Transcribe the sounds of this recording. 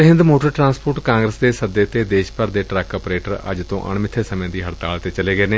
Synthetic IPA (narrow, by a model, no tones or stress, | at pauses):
ɦɪ̃nd̪moːʈəɾʈɾãːnspoːʈkãːŋɡɾəsd̪eːsəd̪eːt̪eːd̪eːʃpəɾd̪eːʈɾɛkəːpɾeːʈəɾə̰d͡ʒt̪õ̰ːʔə̰ɳmɪt̪ʰːeːsəmẽːd̪iːɦəɽt̪a̰ːlt̪eːt͡ʃəleːɡəeːneː